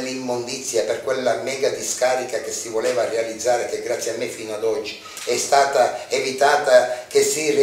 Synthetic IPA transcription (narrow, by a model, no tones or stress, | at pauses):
limːond̪it̪sːjaperkwelːamɛːɡad̪iskaːɾikak̟esːivolɛːvarealid̪zːaːɾekeɡɾat̪sːjiamːefːiːnoad̪ɔd͡ʒːi | ɛst̪aːt̪aevit̪aːt̪ak̟esːire